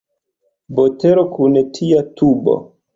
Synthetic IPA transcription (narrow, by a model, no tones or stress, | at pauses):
boteɾokunetʰiatʰubo̰